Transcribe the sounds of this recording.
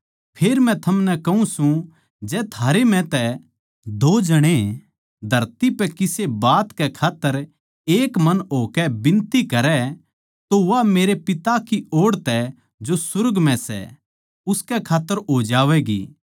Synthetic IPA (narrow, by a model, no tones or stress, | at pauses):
pʰeːɾmɛ̃t̪ʰɐmnɛkɐɦũsũ | d͡ʒɛːt̪ʰaːɾemɛ̃t̪ɛ | d̪oːd͡ʒɐɽ̃e | d̪ʱɐɾt̪ipɛkɪsebaːt̪kɛkʰaːt̪ːəɾ | eːkmɐnɦoːkɛbɪ̃nt̪ikɐɾɛ | t̪oʋameːɾepɪt̪akioːɽt̪ɛ | d͡ʒosʊɾɡmɛ̃sɛ̰ | ʊskɛkʰaːt̪ːəɾɦoːd͡ʒaːʋɛɡḭː